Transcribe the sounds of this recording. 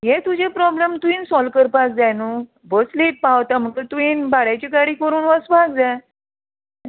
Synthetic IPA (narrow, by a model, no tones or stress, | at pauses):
ɦet̪ud͡ʑepɾɔblemt̪uiːnsɔlkəɾpasd͡zanu | bəsliʈ̚paʋt̪am̤əkət̪uiːnbaɽat͡ɕikaɽiːkəɾuːnʋəsbʱaɡd͡za